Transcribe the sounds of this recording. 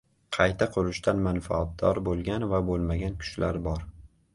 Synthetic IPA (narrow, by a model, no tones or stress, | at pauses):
qʰɑjt̪ʰaqʰʊɾʊʃt̪ʰanmanfaːt̪̚d̪ɒɾbolˠɡʲanvabolˠmaɡʲankʰʊ̥ʃla̰ɾbɒɾ